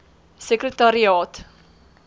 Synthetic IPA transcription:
səkrətaɾiɑːt

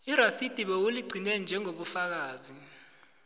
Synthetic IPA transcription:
iɾasid̥ʱiɓɛwuliɡ͡ǀʱinɛnd͡ʒʱɛŋoɓufak̬aːzi

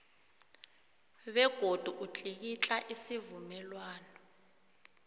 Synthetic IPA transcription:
ɓɛɡ̥ʱod̥ʱuʔut͡ɬʼik̬it͡ɬʼaʔisivumɛlwaːnɔ

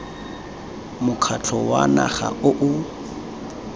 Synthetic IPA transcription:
mʊkʰat͡ɬʰɔwa̰na̰χa̰ʔʊʔʊ

